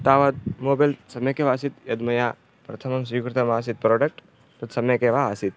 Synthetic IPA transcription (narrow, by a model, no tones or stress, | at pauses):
t̪aːʋɐd̪moːbɐlsɐmjɐkeʋaːsit̪jɐd̪mɐjaː | pɾɐt̪ʰɐmɐmsujukɾɪt̪ɐmaːs̬it̪̚pɾoːɖɐk̚ʈ | t̪ɐt̪sɐmjɐkeʋaːsit̪̚